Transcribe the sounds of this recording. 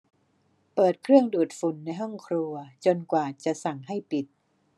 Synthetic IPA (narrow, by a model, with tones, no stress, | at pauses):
pɤː˨˩t̪̚kʰɾɯ˥˩əŋduː˨˩t̪̚fu˨˩nːa˧jɦɔ˥˩ŋkʰɾu˧ɐt͡ɕo˧nkwaː˨˩t͡ɕa˨˩ʔsa˨˩ŋɦa˥˩jpi˨˩t̪̚